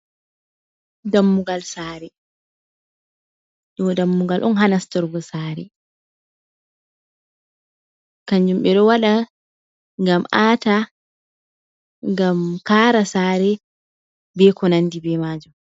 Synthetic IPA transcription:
damːuɡalsaːɾɛ | ɗɔɡɔdamːuɡalʔɔ̰nɦanastɔɾɡɔsaːɾɛ | kaɲd͡ʒumɓɛɗɔwaɗa | ŋɡamaːta | ŋɡamkaɾasaːɾɛ | bɛkɔnandibɛmaːd͡ʒum

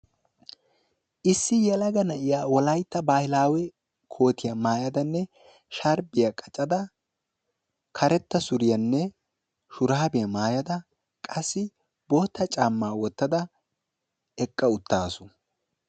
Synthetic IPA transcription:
ʔɪsːɪjɛlɐɡɐnɐʔɪjaːwɔlɐjt̪ːɐbaːhɪlaːwɛ | kʰo̞ːt̪ɪjɐmaːjɐd̪ɐnːɛ | ʃɐɾbɪjɐkʼɐt͡ʃʼɐd̪ɐ | kʰɐɾɛt̪ːɐsʊɾɪjɐnːɛ | ʃʊɾaːbɪjɐmaːjɐd̪ɐ | kʼɐsːɪ | bɔːt̪ːɐt͡ʃʼaːmːaːwɔt̪ːɐd̪ɐ | ɛkʼːɐʊt̪ːaːsʊ

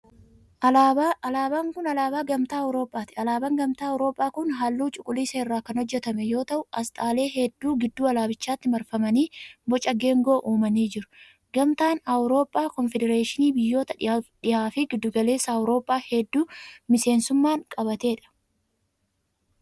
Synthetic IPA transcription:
alaːbaːŋkʊnɐlaːbaːɡɐmt̪aːɐwɾo̞ːpʼːaːt̪ɪɐlaːbɐŋɡɐmt̪aːɐwɾo̞ːpʼːaːkʊnɦaːlːuːt͡ʃʼʊkʼʊliːsɐɪrːaːkɐnhɔd͡ʒːɛt̪ɐmɛjo̞ːt̪ɐʔʊɐst̪ʼaːle̞ːɦɛd̪ːuːɡɪd̪ːuːɐlaːbɪt͡ʃːaːt̪ːɪmɐɾfɐmɐniːbɔt͡ʃʼɐɡe̞ːŋɡo̞ːʔuːmɐniːd͡ʒɪɾʊ̥ | ɡɐmt̪aːnɐwɾo̞ːpʼːaːkɔnfɛd̪ɛɾeːʃɪniːbɪjːo̞ːt̪ɐᶑɪaːfɪɡɪd̪ːʊɡɐle̞ːsːɐɐwɾo̞ːpʼːaːhɛd̪ːuːmɪse̞ːnsʊmːaːŋkʼɐbɐt̪e̞ːᶑɐ̥

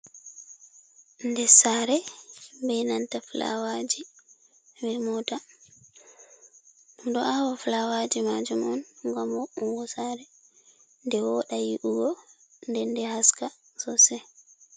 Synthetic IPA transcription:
ndɛsaɾɛbɛnantafla̰wad͡ʒi | wiɾmɔta | undɔʔawaflawad͡ʒimad͡ʒumɔnŋɡamɔuŋɡɔsaɾɛ | ndɛwɔɗajiʔuɡɔ | ndɛndɛhaska | sɔsɛ

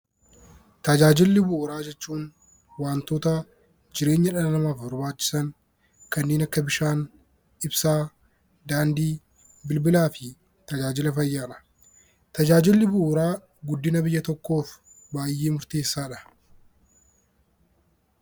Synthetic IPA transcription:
t̪ɐd͡ʒaːd͡ʒɪlːɪbʊʔʊɾaːd͡ʒɛt͡ʃːuːn | waːnt̪o̞ːt̪ɐ | d͡ʒɪɾe̞ːɲːɐᶑɐnɐnɐmaːfbɔɾbaːt͡ʃːɪ̥sɐŋ | kɐnːeːnɐkːɐbɪʃaːn | ɪbsaː | d̪aːnd̪iː | bɪlbɪlaːfɪ | t̪ɐd͡ʒaːd͡ʒɪlɐfɐjːaːᶑɐ̥ | t̪ɐd͡ʒaːd͡ʒɪlːɪbʊʔʊɾaː | ɡʊd̪ːɪnɐbɪjːɐt̪ɔkːo̞ːf | baːjːeːmʊɾt̪eːsːaːᶑɐ̥

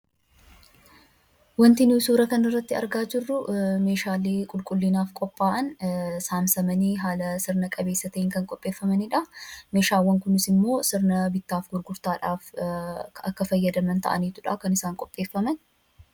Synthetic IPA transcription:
wɐnt̪ɪnisuːɾɐkɐnɪrːɐt̪ːɪɐ̰ɾɡaːd͡ʒɪrːʊme̞ːʃaːleːkʼʊlkʼʊlːɪnaːfkʼɔpʼːaːʔɐnsaːmsɐmɐniɦaːlɐsɪɾnɐkʼɐbeːsːɐt̪ɐʔɪŋkɐŋkʼɔpʼːe̞ːfːɐmɐnɪᶑɐme̞ːʃaːwːɐŋkʊnɪsɪmːo̞ːsɪɾnɐbɪt̪ːaːfɡʊɾɡʊɾt̪aːᶑaːf | ɐ̰kːɐfɐjːɐd̪ɐmɐnt̪ɐ̰ʔɐ̰niːt̪ʊᶑaːkɐnɪsaːŋkʼɔpʼːe̞ːfːɐmɐn

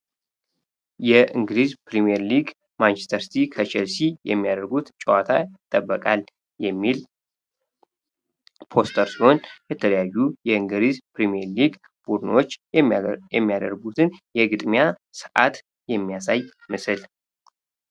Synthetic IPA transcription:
jɛʔɨŋɡɨlizpʰɾimiɛɾliɡ | mant͡ʃɛ̥st̪ʰəɾsi̥t̪ʰikʰət͡ʃʰɛlsijɛmːijad̪əɾɡut̪t͡ʃʼəwat̪ʰajɪɪt̪ʼːəbːəkʼal | jɛmːil | pʰo̞st̪ʰəɾsiho̞njɛt̪ʰələjajːujɛɨŋɡɨɾizpʰɾimijɛɾliɡ | b̥ud̪ɨnwot͡ʃː | jɛmːijad̪ə̰ɾɡut̪ʰɨnjɛɡɨd̪mjasɨʔa̰t̪ | jɛmːijasaj | mɨsɨl

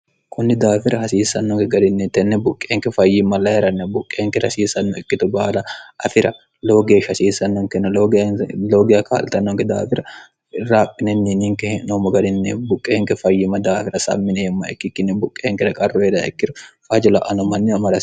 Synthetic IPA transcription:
kʰʊnːɪd̪aːfɪɾɐhɐsiːsːɐnːɔŋkɛɡɐd̪ɪnːɛt̪ːɛnːɛbʊkʼːeːŋkɛfɐjːɪmɐlɐhɛɾɐnːɛbʊkʼːeːŋkɛɾɐsiːsɐnːɔɛkːɪt̪ʊbaːlɐʔɐfɪɾɐ | lo̞ːɡeːʃɐsiːsɐnːɔŋkɛnɐloɡloːɡɪjɐkʰa̰ːlt̪ɐnːɔŋkɛd̪a̰ːfɪɾɐ | raːpʼːɪnɛnːinɪŋkɛhnomɐɡɐd̪ɪnːebʊkʼːeːŋkɛfɐjːɪmːɐd̪aːfɪɾɐsɐ̰mːɪnɛɛmːɐɛ̰kːɪkːɪnːɛbʊkʼːeːŋkɛɾɐkʼɐrːɔed̪ɐɛ̰kːɪɾʊfɐd͡ʒɛlɐʔɐnɔmɐnːɪɐmɐɾɐs

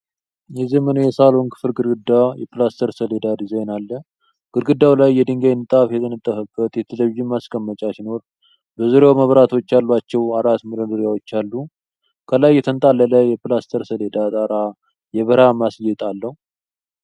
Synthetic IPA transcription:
jɛzemənjɛsalonkʰɨ̥fɨlɡɨɾɡɨd̪ːajɛpɨlast̪ʰəɾsəled̪ad̪izenalːə | ɡ̥ɨɾɡɨd̪ːawlajːɛd̪ɨŋɡajnːɨt̪ʼafjɛt̪ʰənət̪ʼːəfəbːət̪jɛt̪ʰələβiʒimːaskʼəmːət͡ʃʼasino̞ɾ | bəzuɾeawməβɾat̪ʰo̞t͡ʃːalːat͡ʃːɛwaɾat̪mɨɾɨd̪ɨɾjawo̞t͡ʃːalːu | kʰəlajɛt̪ʰənt̪ʼalːələjɛpɨlast̪ʰəɾsəle̞d̪at̪ʼaɾa | jɛβəɾamasjɛt̪ʼalːəhu

